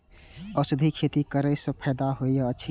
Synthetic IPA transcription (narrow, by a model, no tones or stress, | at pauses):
əsud̪ʱikʰet̪ikəɾəjsə̃pʰɛjd̪aɦojjəːʃʰ